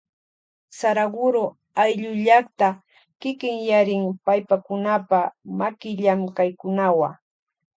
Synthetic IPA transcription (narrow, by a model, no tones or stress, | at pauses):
saɾaɢʊɾʊ | ajʎʊʎakt̪a | kɪkɪŋjaɾɪŋpajpakʊnapamakɪʎamkajkʊnawa